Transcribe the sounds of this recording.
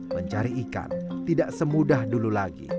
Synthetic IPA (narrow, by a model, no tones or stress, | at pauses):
məɲt͡ʃaɾiːka̰nt̪idaʔsəmudahdululaɡḭ